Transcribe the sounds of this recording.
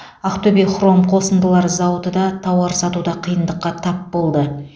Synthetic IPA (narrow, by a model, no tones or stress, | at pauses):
aqt̪ɵbijχro̞mqʰo̞sənd̪əlˠɑɾzɑwət̪əd̪ɑt̪ʰɑwɑɾsɑt̪ud̪ɑqʰijənd̪əqːɑt̪ʰɑpbo̞lˠd̪ə